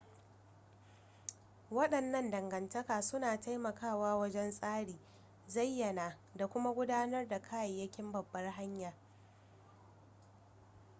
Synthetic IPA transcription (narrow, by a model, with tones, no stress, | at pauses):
wɐ˦ɗɐ˨nːɐ˦ndɐ˨ŋɡɐ˨ntɐ˦kaː˨sʊ˦naː˨ta˦jmɐ˨kʰaː˦˨waː˦wɐ˦d͡ʒɛ˦nsʼaː˦ɽiː˨ | zɐ˦˨jːɐ˨naː˨ | da˨kʷʊ˦ma˦ɡʷʊ˦daː˦nɐ˦rda˨kʰaː˦jɐ˨jːɐ˦kʲɪ˦mbɐ˨bːɐ˦rɦa˦ɲjaː˨